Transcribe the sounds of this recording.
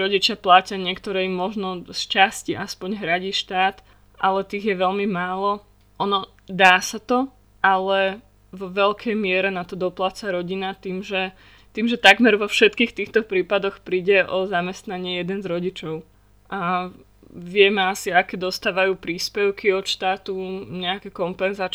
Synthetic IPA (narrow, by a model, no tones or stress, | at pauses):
ɾɔɟit͡ʃɪaplaːcɪaɲɪɛkt̪ɔɾɛimːɔʒnɔst͡ʃasciʔaspɔɲɦɾaɟiːʃt̪aːt̪ | ʔalɛt̪iːɣjɛʋɛʎmimaːlɔ | ʔɔnɔ | d̪aːsat̪ɔ | ʔalɛ | ʋɔʋɛʎkʰɛjmɪɛɾɛnat̪ɔd̪ɔplat͡saɾɔɟinat̪iːmʒɛ | t̪iːmʒɛt̪aɡmɛɾʋɔfʃɛt̪kiːxt̪iːxt̪ɔpɾiːpad̪ɔxpɾiːɟɛʔɔzamɛst̪naɲɪɛjɛd̪ɛnzɾɔɟit͡ʃɔʊ | ʔa | ʋɪɛmɛasiakɛd̪ɔst̪aːʋajuːpɾiːspɛʊkiɔt̪ʃt̪aːt̪uɲɛakɛkɔmpɛnzaːt͡ʃ